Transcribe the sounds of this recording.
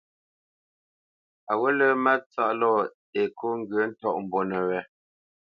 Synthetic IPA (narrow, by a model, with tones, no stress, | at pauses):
a˨wo˦lə˦ma˦t͡sa˦ʔlɔ˦˨ | e˨kʰo˦ŋ̩˦ɡə˨˦n̩˦tɔ˦ʔm̩˨bo˨nə˨wɛ˨˦